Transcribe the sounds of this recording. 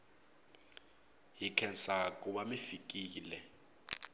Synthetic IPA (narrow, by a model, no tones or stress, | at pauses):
ɦikʰɛnsakʼuɓamifik̬ʼiːlɛ